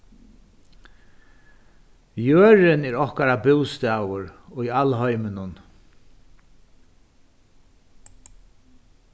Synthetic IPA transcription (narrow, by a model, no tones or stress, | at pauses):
jøːɹɪnɛɾɔhkaɾabɪwst̪aːwʊɹʊjalɦɔjmɪnʊn